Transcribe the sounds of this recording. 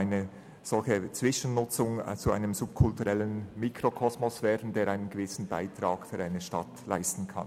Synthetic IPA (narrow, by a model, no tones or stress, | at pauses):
ɪnə | z̥ɔlçət͡sv̥ɪʃənnːʊt͡sʊŋt͡sua̰ɪnəmzʊp̚kʰʊltuʁɛlənmiːkʰɾokʰɔsmɔsv̥ɛːdn̩deːɾʔaɪnənɡ̥evɪsn̩ba̰ɪtʁ̥ɑːɡ̥fyːɾaɪnəʃtɑtla̰ɪstn̩kʰɑ̰n